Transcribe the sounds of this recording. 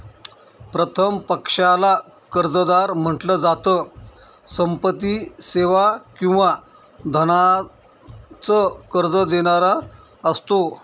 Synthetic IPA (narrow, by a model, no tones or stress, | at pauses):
pɾət̪ʰəmpəkʂala | kəɾd͡zəd̪aɾm̤əʈləd͡zat̪ə | səmpət̪iːseʋakĩw̃ʋa | d̪ʱəɽa | t͡səkəɾd͡zəd̪eɽ̃aɾa | əst̪o